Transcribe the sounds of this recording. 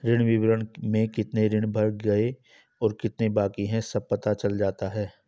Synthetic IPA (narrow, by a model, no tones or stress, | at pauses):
ɾɪɽ̃ʋɪwɾənmẽkɪt̪neɾɪɽ̃bʱɐɾɡɐe | ɔːɾkɪt̪nebaːkiɦɛ̃sɐb̚pɐt̪at͡ʃɐld͡ʒaːt̪aɦɛː